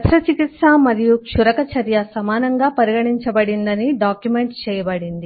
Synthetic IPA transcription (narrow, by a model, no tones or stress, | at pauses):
ɐt̪ʂɐt͡ʃikit̪ʂaːmɐɾijukʂuɾɐkɐt͡ʃʰɐɾjɐsɐmaːnɐŋɡaːpɐɾiɡɐɽiɲt͡ʃɐbɐɽind̪ɐniɖaːkjumeɳʈst͡ʃɛːjɐbɐɽind̪i